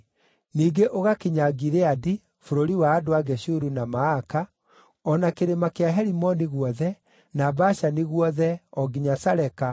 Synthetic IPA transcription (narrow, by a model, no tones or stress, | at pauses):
niːɡeʔoɣakiɲaɡiɾeadi | foɾoɾiwaːdoaɡɛɕuɾunamaka | ɔnakeɾemakeaɦɛɾimɔniɣwɔðɛ | nabaɕaniɣwɔðɛɔɡiɲasaɾɛka